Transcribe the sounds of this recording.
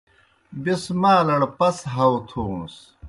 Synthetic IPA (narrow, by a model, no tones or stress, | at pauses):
bismaːlɐɽpɐsɦɐwt̪ʰus